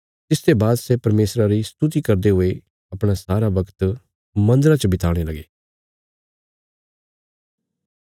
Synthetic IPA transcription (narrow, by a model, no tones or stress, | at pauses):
t̪ɪst̪ebaːd̪sɛpɐɾmeːsɾaɾist̪ut̪̬ikɐɾd̪eɦoe | ɐpɽ̃asaːɾaʋɐkt̪ | mɐ̃nd̪ɾat͡ʃəbɪt̪aːɽ̃elɐɡeː